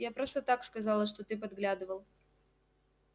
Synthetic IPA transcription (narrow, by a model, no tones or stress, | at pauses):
japɾo̞st̪ət̪akskɐzɑlˠəʂt̪ot̪ɨp̬ɐd̪ɡlʲad̪ɨvəlˠ